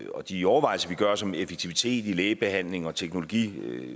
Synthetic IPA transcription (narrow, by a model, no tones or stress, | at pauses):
ɒ̽d̥iɒʊɐʋɑ̈ɪl̩sɐʋiɡ̥ɶɐsɒ̽mefe̥t͡sʰiʋit͡sʰe̝̰ːd̥ileːɪb̥e̝hæn̰le̝ŋɒ̽t͡sʰeɡ̥no̝lo̝ɡ̥ḭː